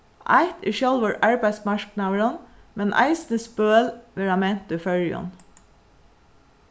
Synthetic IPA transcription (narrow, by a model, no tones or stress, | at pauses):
ʔɑ̰ɪt̪ɪ̰ʃœlʋɑɹʔɑɹbæɪsmɑɹknɑːəɹənmɛnʔæ̰ɪsnəspøːlʋeɹɑmɛnt̪əfœɹjɔ̰n